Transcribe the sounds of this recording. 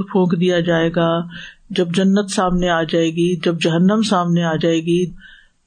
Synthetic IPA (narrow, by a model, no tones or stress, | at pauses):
pʰõːkd̪ijad͡ʒaːeːɡaːd͡ʒɐbd͡ʒɐnːət̪saːmneaːd͡ʒaːeːɡid͡ʒɐbd͡ʒɐɦənːəmsaːmneaːd͡ʒaːeːɡi